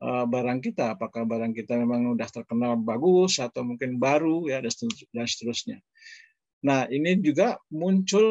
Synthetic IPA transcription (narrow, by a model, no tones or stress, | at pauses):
ʔəbaɾaŋkit̪aːpakahbaɾaŋkit̪amemaŋudaht̪ərkənalbaɡusat̪awmuŋkɪnbaɾujadasdansə̥t̪əɾʊsɲa | nahinid͡ʒuɡamuɲt͡ʃʊl